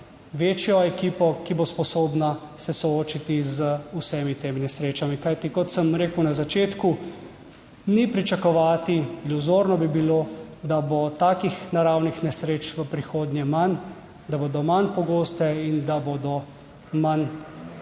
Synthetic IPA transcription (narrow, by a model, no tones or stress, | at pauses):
ʋeːt͡ʃjɔɛkiːpɔkibospɔsoːbna | sɛsɔoːt͡ʃit̪izəusɛːmit̪eːminɛsɾeːt͡ʃamikajt̪ikɔt̪səmɾeːkəwnazat͡ʃeːt̪ku | nipɾit͡ʃakɔʋaːt̪iːluzoːɾnɔbibiloːd̪abot̪aːkixnaɾaːwnixnɛsɾeːt͡ʃʋəpɾixoːd̪njɛman | d̪abod̪ɔmanpɔɡoːst̪ɛind̪aboːd̪ɔ | man